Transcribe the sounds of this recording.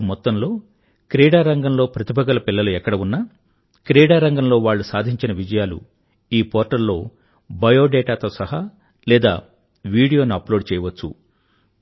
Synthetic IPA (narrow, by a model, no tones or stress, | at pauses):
mɔt̪ːɐmlo̞ː | kɾeːɽaːɾɐŋɡɐmlo̞ːpɾɐt̪ibɐɡɐlɐpilːɐluɛkːɐɽɐunːɐ | kɾeːɽaːɾɐŋɡɐmlo̞ːʋaːɭːusaːd̪ʱiɲt͡ʃinɐʋid͡ʒɐjaːlṵ | iːpɔːɾʈɐɾlːo̞ː | bɐjo̞ːɖɛːʈaːt̪oːsɐɦɐ | lɛːd̪a̰ː | ʋiːɽijoːnuɐplo̞ːɖt͡ʃɛːjɐʋɐt͡ʃːṵ